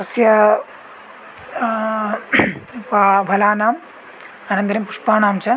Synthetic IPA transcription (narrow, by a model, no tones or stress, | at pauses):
ɐsjɐ | pabʱɐlaːnaːm | ɐnɐnd̪ɐɾimpuʂpaːnaːmt͡ʃʰɐ